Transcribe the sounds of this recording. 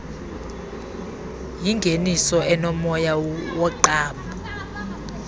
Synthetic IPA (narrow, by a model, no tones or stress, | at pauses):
jiŋɡʱenisɔʔɛnɔmɔjawɔǃaːmbʱɔ